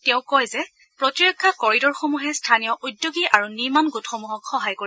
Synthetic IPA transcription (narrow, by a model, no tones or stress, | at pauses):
tɛ̃ʊ̃kɔjzɛ | pɹotiɹɔkʰːakɔɹidɔɹxomuɦɛstʰanijɔʔudjoɡiʔaɹuniɹmanɡutxɔmuɦɔkxɔɦajkoɹi